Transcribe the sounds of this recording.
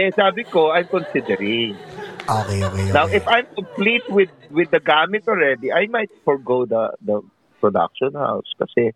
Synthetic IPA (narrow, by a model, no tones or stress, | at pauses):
ɛsaːbɪkoʔajmkɔnsɪd̪ɛɾɪŋʔokeoknawʔɪfajmkomplit̪̚wɪd̪̚wɪd̪ːɐɡaːmɪt̪ʔɔlɹɛd̪iʔajmajt̪̚fɔɹɡowd̪ɐ̰d̪ɐ | pɹɔd̪a̰k̚ʃɔ̃nha̰wskɐsɛ